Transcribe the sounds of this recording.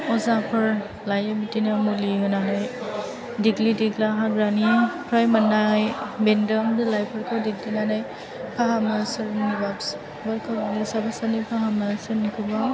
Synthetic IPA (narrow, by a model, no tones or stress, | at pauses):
ɔzapʰɯɹ | lajabitinamuliɦɯnanaj | diɡlidiklaɦaɾanipʰɾajmanːajbendɔmdɯlajpʰəɾkʰawdiɡ̚linanaj | pʰaɦamnasɯɾnibabs | baɾkʰabanɯsabasanipʰaɦamnasɯɾnikʰɯba